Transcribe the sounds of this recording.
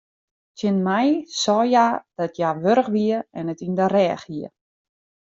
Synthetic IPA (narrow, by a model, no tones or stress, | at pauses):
tʰjɪnmajsɔːjad̥ɔtʰjaʋøɾəxʋiəɛnətindərɛːxiə